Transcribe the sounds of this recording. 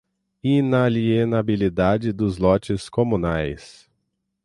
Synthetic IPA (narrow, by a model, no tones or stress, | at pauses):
inalienabilid̪ad͡ʒɪd̪ʊzlɔt͡ʃɪskõmũnajs